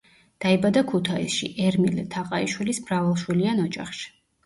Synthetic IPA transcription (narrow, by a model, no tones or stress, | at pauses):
d̪̥aibad̪akʰut̪ʰaḭsʃḭʔɛɾmilɛt̪ʰaqʼaiʃwilismɾavalˠʃwilianɔd͡ʒa̰χʃi̥